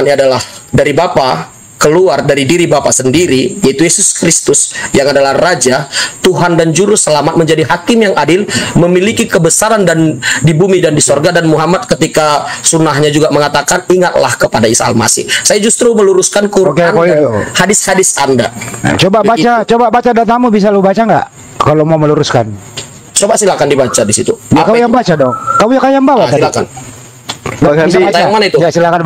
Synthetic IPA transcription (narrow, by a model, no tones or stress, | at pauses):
nadalahdaɾibapa | kəluardaɾidiɾibapasəndiɾijait̪ujesʊskɾist̪ʊsjaŋadalahrad͡ʒat̪uɦandand͡ʒuɾʊsəlamat̪̚məɲd͡ʒadiɦakɪmjaŋadɪlməmilikikəbəsaɾandandibumidandisorɡadanmuɦamat̪̚kət̪ikasunahɲad͡ʒuɡaməŋat̪akaniŋat̪̚la̰hkəpadaisaa̰lma̰sɪ̰hsajad͡ʒust̪ɾuməluɾuskankuɾkenhadɪshadɪsanda̰t͡ʃobabat͡ʃat͡ʃobabat͡ʃadat̪amubis̬alobat͡ʃaŋɡa̰ʔ | kalomauməluɾuskan | t͡ʃobasilakandibat͡ʃadisit̪ujakaujabat͡ʃadɔŋkamujakajaŋbawaailaka̰n | ɡaaaaatajaŋanit̪uasilakan